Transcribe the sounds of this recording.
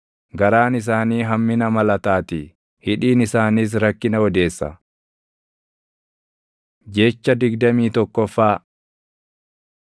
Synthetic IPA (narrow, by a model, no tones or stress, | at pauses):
ɡɐɾaːnɪs̬aːniːɦɐmːɪnɐmɐlɐt̪aːt̪ɪ | hɪᶑiːnɪsaːnis̬ɾɐkːɪnɐɔd̪e̞ːsːɐ̰ | d͡ʒe̞ːt͡ʃːɐd̪ɪɡd̪ɐmiːt̪ɔkːɔfːaː